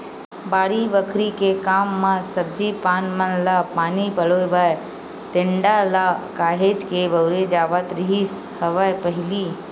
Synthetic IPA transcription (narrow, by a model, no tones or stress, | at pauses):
baːɽibəkʰɾikekaːmːãsəb̚d͡ʒipaːnmənlapaːnipəɭojbaj | t̪ẽɳɖalakaːɦeːd͡ʒkebəwɾed͡ʒaːʋət̪ɾiɦis | həʋapəɦɪliː